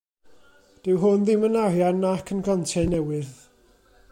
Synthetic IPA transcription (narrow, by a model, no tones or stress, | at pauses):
d̥ɪwɦʊnðɪmənarjanːakʰənɡantʰɛnɛwɨð